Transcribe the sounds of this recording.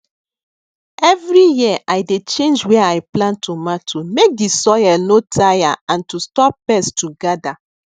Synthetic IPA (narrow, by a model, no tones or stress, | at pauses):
ɛvɹijiʔajdet͡ʃẽnd͡ʒweajplãntʰumatʰumek̚disɔjɛlnotʰajaãntustɔpːɛstuɡada